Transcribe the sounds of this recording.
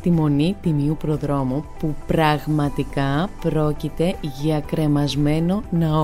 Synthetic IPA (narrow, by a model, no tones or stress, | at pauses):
t̪imo̞nit̪imiupɾo̞ðɾo̞mupupɾɐɣmɐt̪ikɐpɾo̞cit̪e̞ʝiɐkɾe̞mɐzme̞no̞nɐo